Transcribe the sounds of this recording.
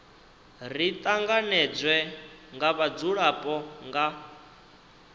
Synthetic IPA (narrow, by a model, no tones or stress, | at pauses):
rit̪ʼaŋɡanɛd͡zʷwɛŋɡaβad͡zuɺapʼɔŋɡa